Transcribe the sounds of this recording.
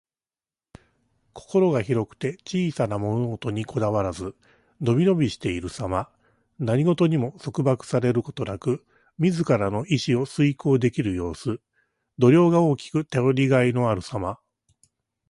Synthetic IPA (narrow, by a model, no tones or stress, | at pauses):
kʰo̞̥ko̞ɾo̞ɡaçiɾo̞kɯ̟̥t̪e̞t͡ɕiːsanamo̞no̞t̪o̞ɲ̟ikʰo̞d̪aβaɾazɨ | no̞bʲino̞bʲiɕi̥t̪e̞iɾɯ̟sama | naɲ̟iɡo̞t̪o̞ɲ̟imo̞so̞kɯ̟bakɯ̟̥saɾe̞ɾɯ̟ko̞̥t̪o̞nakɯ̟ | mʲizɨkaɾano̞ʔiɕio̞sɨiko̞ːd̪e̞kʲiɾɯ̟jo̞ːsɨ | d̪o̞ɾʲo̞ːɡao̞ːkʲi̥kɯ̟t̪e̞o̞ɾʲiɡaino̞aɾɯ̟sama